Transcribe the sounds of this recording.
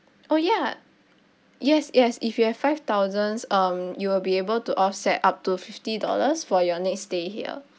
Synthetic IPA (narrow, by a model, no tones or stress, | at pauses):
ʔoja | jɛsjɛsifjuhɛv̥faɪft̪aʊzə̃nsʌ̃mjuwɪlbiebəltuʔɔfsɛt̚ap̚tufiftidɔ̰lə̰sfɔjɔnɛksteɦiə̰